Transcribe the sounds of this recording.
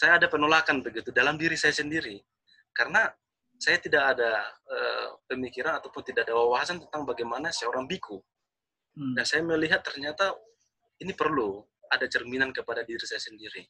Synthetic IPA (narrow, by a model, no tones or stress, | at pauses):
sajaːdapənolakanbəɡit̪udalamdiɾisajasəndiɾi | kaɾəna | sajat̪idakadaə̰ːpəmikiɾanat̪awpʊnt̪idakadawawaɦasant̪ənt̪aŋbaɡajmanasəoɾaŋbikʰu | daŋsajaməliɦat̪ːərɲat̪a | inipərlu | adat͡ʃərminankəpadadiɾisajasəndiɾi